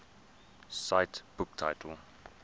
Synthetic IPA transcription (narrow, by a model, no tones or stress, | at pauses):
saɪtb̥ʊk̚tʰa̰ɪtʰəl